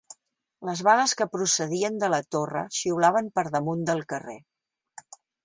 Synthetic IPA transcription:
ləzβaləskəpɾusəðiənd̪ələt̪orə̰ʃiwlaβ̞əmpəɾðəmund̪əlˠkərḛ

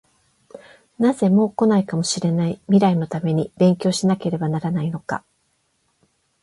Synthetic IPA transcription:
naze̞mo̞ːko̞naikamo̞ɕiɾe̞naimʲiɾaino̞t̪ame̞ɲ̟ibẽ̞ŋkʲo̞ːɕinake̞ɾe̞banaɾanaino̞ka̰

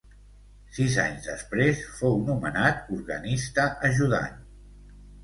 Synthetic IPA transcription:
siza̰ɲzðə̰spɾesfownumənat̪uɾɣənist̪əʔəʒuða̰n

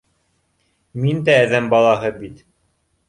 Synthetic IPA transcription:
mind̪æːðæmbɑlˠɑɦɤbit̪

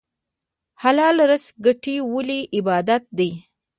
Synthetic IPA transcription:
halɑlɾəsɡaʈiwəliɪbɑd̪at̪̚d̪əj

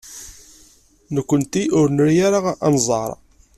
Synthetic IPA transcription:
nəkʷːənt̪iʔʊɾnəɾjaɾaʁɑ̰nzˤɑ̰ɾˤ

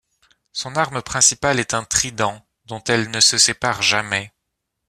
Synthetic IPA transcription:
sɔ̃naʁməpχɛ̃sipalɛt̪ɛ̃t̪χid̪ɑ̃ | d̪ɔ̃t̪ɛlnəsəsepaʁʒamɛ

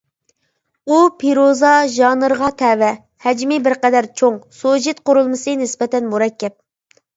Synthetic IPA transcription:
upʰeɾozɑʒɑnɨɾʁɑt̪ʰɛwɛ | hɛd͡ʒmɪbɪɾqɛd̪æɾt͡ʃʰoŋsod͡ʒɪt̪̚qoɾulˠmɨsɨnɪspɛt̪ɛnmuɾɛkʲːɛp̚

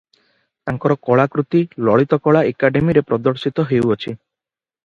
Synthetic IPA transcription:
t̪aŋkɔɾɔkɔɭakɾut̪ilɔɭit̪ɔkɔɭaekaɖemiɾepɾɔd̪ɔɽsit̪ɔɦeuɔt͡ʃʰi

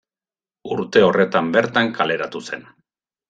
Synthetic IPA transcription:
uɾt̪e̞o̞re̞t̪ambe̞ɾt̪aŋkale̞ɾat̪use̞̰n

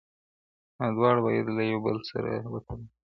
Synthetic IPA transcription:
ad̪wɑːɽbɑjed̪lajawbəlsa̰ɾa̰wat̪ʰəl

